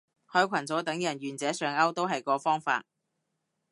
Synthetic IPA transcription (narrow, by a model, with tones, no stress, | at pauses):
hœː˨˧jkʷʰɐ˨˩nt͡so˨˥wt̪ɐ˨˥ŋjɐ˨˩nɥyː˨˩nt͡sɛː˨˥sœː˨˧ŋɐ˥wt̪o˥wɦɐ˨jkɔː˨˥fɔː˥ŋfa̰ː˧t̚